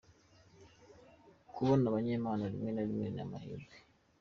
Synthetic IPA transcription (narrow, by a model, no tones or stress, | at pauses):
kʰuβonaβaɲeːmaːnalimenalimena̰ma̰hḭdi